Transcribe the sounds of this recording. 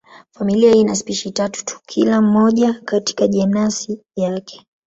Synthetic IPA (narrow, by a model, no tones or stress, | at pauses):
familiahinaspiʃitatu̥tu̥kʰilam̩ːɔʄakati̥kaʄɛmnasi | jakɛ̥